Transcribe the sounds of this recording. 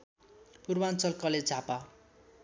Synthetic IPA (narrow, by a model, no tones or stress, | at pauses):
purwant͡sʌlkʌled͡zʱapa